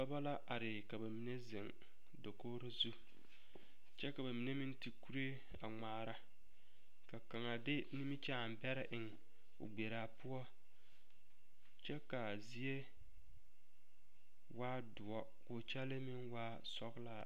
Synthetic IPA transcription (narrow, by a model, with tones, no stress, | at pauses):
ba˦ba˦la˦ʔa˨ɾɪ˨ka˨ba˨mi˨ne˦zɪ˨ŋ | do˨koː˦ɾo˦zu˦ | t͡ʃɛ˦ka˨ba˨mi˨ne˦mi˦nti˨ku˦ɾe˦ | a̰˨ŋ͡maː˨ɾa˦ | ka˨ka˨ŋa˨dɪ˦ni˦mi˦t͡ʃa˦˨m˨bɛ˦ɾɪ˦ʔɪ˨ŋ˨ | ʊ̰˨ɡ͡be˨ɾaː˨pʊ˦ɔ˦ | t͡ʃɛ˦ka˨ | zi˦e˦ | waː˦dʊ˨ɔ˦ | kʊ˨t͡ʃɛ˦lɪ˦mɪ˦nwaː˦ | sɔ˦ɡla˦